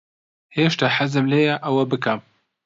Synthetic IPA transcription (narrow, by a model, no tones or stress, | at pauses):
heːʃt̪aħazɨmleːjɐʔɐwɐbɨkɐm